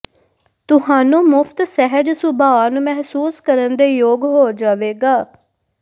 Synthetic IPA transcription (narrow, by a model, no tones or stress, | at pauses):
t̪ʊhaːnũːmʊfʰt̪sɛɦəd͡ʒsʊbʱaːanũːmɛɦsuːskəɾənd̪eːjoːɡɦoːd͡ʒaːʋeːɡaː